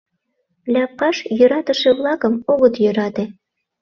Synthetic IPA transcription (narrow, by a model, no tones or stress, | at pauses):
lʲæpːɑʃjø̆ɾɑt̪ə̆ʃeβlɑkəmoɣət̪jøɾɑt̪e